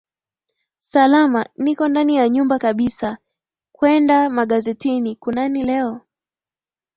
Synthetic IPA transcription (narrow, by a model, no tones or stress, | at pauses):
salamanikɔndanijaɲumbakaɓisa | kwɛndamaɠazɛtinikunanilɛɔ